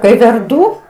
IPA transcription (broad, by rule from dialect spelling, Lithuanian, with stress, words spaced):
kɐɪ ʋʲɛrˈduː